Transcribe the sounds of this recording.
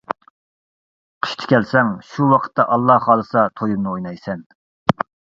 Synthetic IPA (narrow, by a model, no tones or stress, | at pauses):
qʰə̥ʃt̪ʰɪ̥kʲʰɛlsɛŋʃuwɑqʰə̥t̪ːɑʔɑlˠːɑhχɑːlˠɨsɑt̪ʰojumnɨojnɑjsɛn